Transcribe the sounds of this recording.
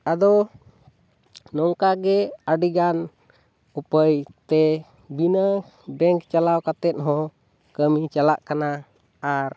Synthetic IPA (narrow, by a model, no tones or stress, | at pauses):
ad̪ɔ | nɔŋkaɡɛaɖiɡan | upəjt̪ɛ | binə | bɛŋkt͡ʃalawkat̪ɛt̪̚ɦɔ̃ | kəmit͡ʃalaʔkana | aɾ